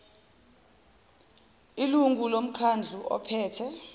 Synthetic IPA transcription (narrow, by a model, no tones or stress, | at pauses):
iluŋɡulom̩kʰand͡ɮʱuɔ̰pʰɛːtʰɛ